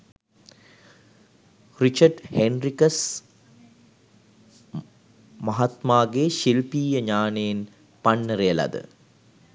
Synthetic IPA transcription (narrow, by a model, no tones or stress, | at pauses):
rit͡ʃɐɖhenrikəs | mɐɦat̪maːɡeːʃilpiːjəɲaːnejːn | panːəɾejəlɐ̰d̪ə̰